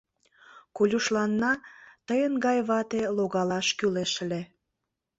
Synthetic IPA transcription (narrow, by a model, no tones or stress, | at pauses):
kolʲuʃlɑnːɑt̪əjənɡɑjβɑt̪eloɣɑlɑʃkyleʃle